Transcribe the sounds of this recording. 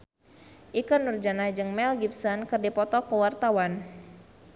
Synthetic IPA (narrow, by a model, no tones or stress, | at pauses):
ʔikənurd͡ʒanad͡ʒɨŋmɛlɡipsɔnkɨrdipɔt̪ɔkəwart̪awan